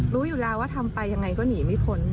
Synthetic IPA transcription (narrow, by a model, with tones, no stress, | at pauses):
ɾuː˦˥juː˨˩laː˦˥waː˥˩t̪ʰa˧mpa˧jːa˧ŋa˧jkɔː˥˩niː˩˦ma˦˥˩pʰo˧˦n